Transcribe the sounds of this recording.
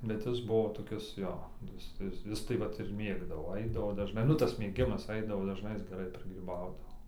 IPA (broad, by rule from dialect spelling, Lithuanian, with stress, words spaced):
bʲɛt ˈjɪs ˈbʊʋoː toːˈkʲɪs ˈjoː ˈjɪs ˈjɪs ˈjɪs tɐɪ ˈʋɐt ɪr ˈmʲeːɡdɐʋoː ˈɐɪdɐʋoː dɐʒˈnɐɪ ˈnʊ tɐs mʲeːˈɡʲɪmɐs ˈɐɪdɐʋoː dɐʒˈnɐɪ ˈjɪs ɡʲɛˈrɐɪ pʲrʲɪɡrʲiːˈbɐʊdɐʋoː